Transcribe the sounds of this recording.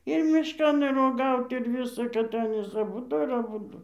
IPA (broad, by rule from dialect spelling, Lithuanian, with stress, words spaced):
ɪr ˈmʲɪʃkɐn ɪr oːˈɡɐʊt ɪr ˈʋʲiːsɐ kɐt ˈɑːnʲiːs ɐˈbʊdʊ ɪr ɐˈbʊdʊ